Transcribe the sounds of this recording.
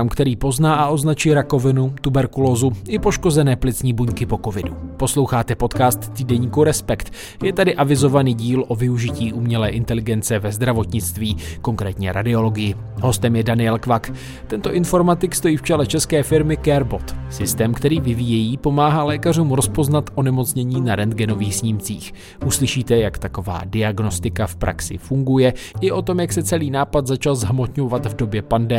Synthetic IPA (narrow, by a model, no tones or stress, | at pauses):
mkt̪ɛɾiːpo̞znaːʔaʔo̞znat͡ʃujɾako̞vɪnut̪ubɛɾkulo̞ːzuʔɪpo̞ʃko̞zɛnɛːplɪt͡sɲiːbuɲkɪpo̞kovɪdupo̞slowxaːt̪ɛpo̞t̪kaːst̪ːiːdɛɲiːkuɾɛspɛkt̪ | jɛt̪adɪʔavɪzo̞vaniːɟiːlʔo̞vɪuʒɪciːʔumɲɛlɛ̰ːʔɪnt̪ɛlɪɡɛnt͡sɛvɛzd̪ɾavo̞t̪ɲɪt͡st̪viːko̞ŋkɾɛːt̪ɲɛ̰ɾa̰dɪo̞lo̞ɡɪjɪ | ɦo̞st̪ɛmjɛdanɪjɛlkvak | t̪ɛnt̪o̞ʔɪnfo̞ɾmat̪ɪkst̪o̞jiːft͡ʃɛlɛt͡ʃɛskɛːfɪɾmɪkɛɾbo̞t̪sɪst̪ɛːmkt̪ɛɾiːvɪviːjɛjiːpo̞maːɦalɛːkaruːmɾo̞spo̞znat̪ʔo̞nɛmo̞t͡sɲɛɲiːnaɾɛnd̪̚ɡɛno̞viːxsɲiːmt͡siːx | ʔuslɪʃiːt̪ɛjakt̪ako̞va̰ːdɪaɡno̞st̪ɪkafpɾʔa̰ksɪ̰fuŋɡujɛʔɪʔo̞t̪o̞mjaksɛt͡sɛliːnaːpat̪zat͡ʃalzɦamo̞t̪ɲovat̪vdo̞bjɛpandɛ